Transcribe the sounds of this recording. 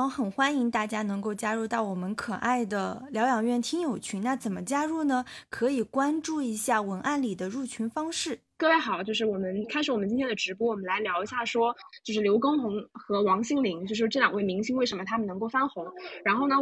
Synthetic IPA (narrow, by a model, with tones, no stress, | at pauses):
xə˨˩nxwa˥ni˧˥ŋt̪a˥˩t͡ɕja˥nɤ˧˥ŋko˥˧ʊt͡ɕja˥ɻu˥˧t̪ɑ˥˩ʊwɔ˨˩mə˦nkʰɤ˨˩ʔa˥˩ɪd̪ə˩ljɑ˧˥ʊjɑ˨˩ŋɥɛ˥˩nt̪ʰi˥ŋjo˨˩ʊt͡ɕʰy˧˥nna˥˩t͡sə˨˩nmə˦t͡ɕja˥ɻu˥˩nə˩kʰɤ˧˥i˨˩kwa˥nʈ͡ʂu˥˩i˧˥ɕja˥˩wə˧˥nʔa˥˩nli˨˩d̪ə˦ɻu˥˩t͡ɕʰy˧˥nfɑ˥ŋʂɻ̩˥˩kɤ˥˧we˥˩ɪxɑ˨˩ʊt͡ɕjo˥˧ʊʂɻ̩˥˩wɔ˨˩mə˦nkʰa˥ɪʂɻ̩˨˩wɔ˨˩ə˦t͡ɕi˥nʰjɛ˥nd̪ə˨˩ʈ͡ʂɻ̩˧˥p̬wɔ˥wɔ˨˩mə˦nla˧˥ɪljɑ˧˥ʊi˧˥ɕja˥˩ʂwɔ˥t͡ɕjo˥˧ʊʂɻ̩˥ljo˧˥ʊko˥ŋxʊ˧˥ŋxɤ˧˥wɑ˧˥ŋɕi˥˩ŋli˧˥ŋt͡ɕjo˥˧ʊʂɻ̩˧˥˧ʈ͡ʂɤ˥˩ljɑ˨˩ŋwe˥˩ɪmi˧˥ŋɕi˥ŋwe˥˩ɪʂə˧˥mə˧t̪ʰa˥mə˨nɤ˧˥ŋko˥˩ʊfa˥nxʊ˧˥ŋɻa˧˥nxo˥˩ʊnə˨˩